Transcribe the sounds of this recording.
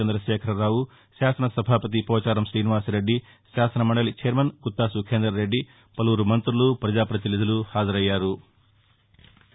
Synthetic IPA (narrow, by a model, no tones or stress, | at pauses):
end̪ɾɐʃɛːkʰɐɾɐɾaːwu | ʃaːsɐnɐsɐbʱaːpɐt̪̬ipɔːt͡ʃaːɾɐmsɾiːniʋaːsɾe̞ɖːi | ʃaːsɐnɐmɐɳɖɐlit͡ʃeːɾmɐnkut̪ːaːsukʰeːnd̪ɾɐɾe̞ɖːi | pɐluːɾumɐnt̪ɾulupɾɐd͡ʒaːpɾɐt̪̬ilid̪ɐluhaːd͡ʒɐɾɐjːaːɾu